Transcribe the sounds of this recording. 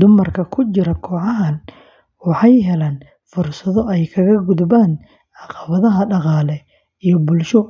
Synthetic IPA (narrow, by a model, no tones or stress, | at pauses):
d̪ʊmɐrkʰɐkʰʊt͡ʃɪɾɐkʰɔːʕɑɦɐn | wɑħɑjɦɛlaːn | fʊrsɐðɔɛjkʰɐɣɐɡʊðbaːn | ʕɑqɑβɐðɐɦɐɖɑqɑːlɛ | ijɞbʊlʃɔ